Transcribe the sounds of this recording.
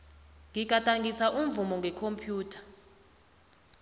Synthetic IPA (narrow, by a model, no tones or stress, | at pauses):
ŋʱik̬ʼatʼaŋɡʱisaʔumvumɔŋɡʱɛkʰompʰjuːtʰḁ